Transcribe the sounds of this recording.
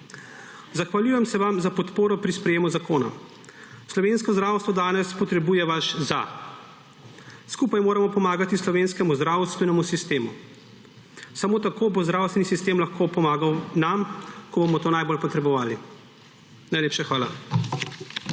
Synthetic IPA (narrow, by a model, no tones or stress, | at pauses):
zaxʋaljuːjɛmsɛʋamzapɔt̪poːɾɔpɾispɾɛjeːmuzakoːna̰ | slɔʋeːnskɔzd̪ɾaːwst̪ʋɔd̪aːnɛspɔt̪ɾɛbuːjɛʋaʃza̰ | skuːpajmoːɾamɔpɔmaːɡat̪islɔʋeːnskɛmuzd̪ɾawst̪ʋɛnɛmusist̪eːmu | samoːt̪akoːbozd̪ɾawsʋɛnisist̪eːmlaxkopɔmaːɡawnamkɔbomɔt̪oːnajbolpɔt̪ɾɛbɔʋaːli | najleːpʃaxʋaːla̰